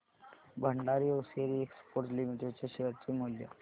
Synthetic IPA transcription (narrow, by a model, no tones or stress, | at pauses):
bʱəɳɖaɾioseɾiekspoɾʈlimiʈeɖt͡ɕeɕeɦəɾt͡ɕimoljə̰